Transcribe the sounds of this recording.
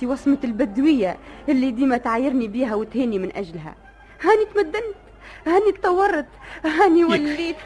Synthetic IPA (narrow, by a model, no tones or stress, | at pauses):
iwɑsˤmat̪ɪlbæd̪wɪjːaʔɪlːid̪iːmæt̪ʕajːɪɾnibiːɦæwɪt̪hiːnimɪnʔæʒlɦæ̰ | hæːnit̪mæd̪ːant̪ | hæːnit̪ˤːɑwːɑrˤːɑt̪ˤɦæːniwalːiːt̪